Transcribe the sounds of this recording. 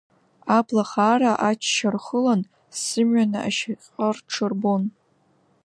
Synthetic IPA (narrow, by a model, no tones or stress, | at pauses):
apʰlaχaːraʔat͡ʃʰʃarχəlan | sɨmɥanaʔaʃaqʲʼərʈ͡ʂʰɨrbon